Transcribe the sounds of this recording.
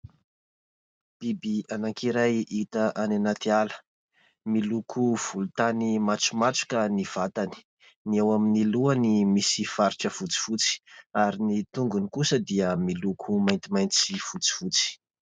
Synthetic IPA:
b̥ibianaŋkiɾajʔit̪əʔananat̪ialə̥ | milukʰuv̥ulut̪animat͡sumat͡su̥kəniv̥at̪ani̥ | niawaminiluanimisifaɾiʈ͡ʂəfut͡si̥fut͡si̥aɾinit̪uŋɡunikusəd̪iəmilukʰumajnt̪imajnt͡sifut͡si̥fut͡si̥

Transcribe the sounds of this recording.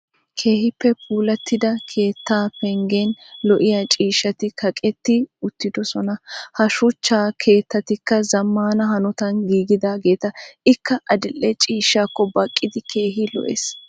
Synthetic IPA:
kʰe̞ːhɪpːɛpʰuːlɐt̪ːɪd̪ɐkʰe̞ːt̪ːaːpɛŋɡenlɔʔɪjat͡ʃʼiːʃːɐt̪ɪkʰɐkʼɛt̪ːɪʊt̪ːɪd̪ɔsɔnɐhɐʃʊt͡ʃːaːkʰe̞ːt̪ːɐt̪ɪkːɐzɐmːaːnɐɦɐnɔt̪ɐnɡiːɡɪd̪aːɡe̞ːt̪ɐɪkːɐʔɐd̪ɪlːɛt͡ʃʼiːʃːaːkːɔbɐkʼːɪd̪ɪkʰe̞ːɦɪlɔ̰ʔḛːs

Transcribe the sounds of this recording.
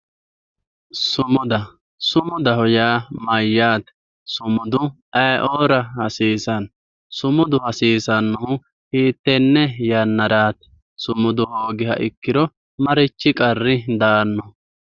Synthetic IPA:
sʊmʊd̪ɐ | sʊmʊd̪ɐhɔjaːmɐjːaːt̪ | sʊmʊd̪ʊ | ɐjʔoːɾɐhɐsiːsɐn | sʊmʊd̪ʊhɐsiːsɐnːʊhʊ | hiːt̪ːɛnːɛjɐnːɐɾaːt̪ | sʊmʊd̪ʊhoːɡɪhɐ̰ʔɪkːɪd̪ɔ | mɐɾɪt͡ʃːɪkʼɐrːɪd̪aːnːɔ

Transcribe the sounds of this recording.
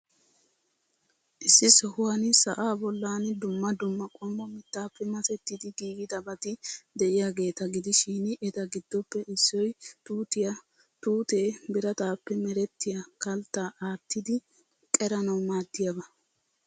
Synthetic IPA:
ʔɪsːɪsɔhʊwansɐ̰ʔaːbɔlːaːnɪd̪ʊmːɐd̪ʊmːɐkʼɔmːɐmɪt̪ːaːpːɛmɐsɛt̪ːɪd̪ɪɡiːɡɪd̪ɐbɐt̪ɪd̪ɛʔɪjaːɡe̞ːt̪ɐɡɪd̪ɪʃiːnʔɛt̪ɐɡɪd̪ːɔpːɛʔɪsːɔjt̪uːt̪ɪjɐ | t̪uːt̪eːbɪɾɐt̪aːpːɛmɛɾɛt̪ːɪjɐkɐlt̪ːaːʔaːt̪ːɪd̪ɪ | kʼɛɾɐnɐwmaːd̪ːɪjɐbɐ

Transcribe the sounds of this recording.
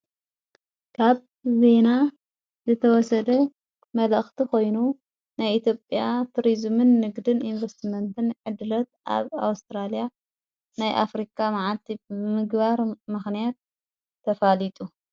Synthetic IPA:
kʰaβ | ze̞na | zɨt̪ʰɐwɔsɐd̪ɐ | mɐlɐxt̪ʰiko̞jnu | najʔit̪ʰjo̞pʼjat̪ʰuɾizmɨnːɨɡd̪ɨninvɐst̪mɐnt̪ʰɨnʕɨd̪lɐt̪̚ʔa̰βa̰wst̪ɾalija | najʔa̰fɾikʰamaʕalt̪ʰibɨmɨɡbaɾmɨxnijat̪̚ʰː | ɐfalit̪ʼu

